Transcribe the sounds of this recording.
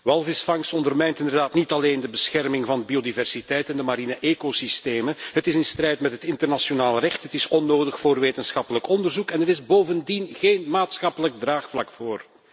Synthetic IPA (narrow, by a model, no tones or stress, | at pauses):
ʋɑlˠvɪsfɑŋsɔndərmɛjntɪnd̪ərdaːtnitɑleːndəbəsxɛrmɪŋvɑnbiodivɛrsitɛjtɛndəmaɾinəʔeːkosisteːməɦətɪsɪnstrɛjtmɛtɦətɪntərnasjonaːlˠrɛxthɦətɪsɔnːoːdəxfoːrʋeːtənsxɑpələkɔndərzukɛnəɾɪzboːvəndinɣeːnmaːtsxɑpələɡ̚draːxflɑ̰kfoːr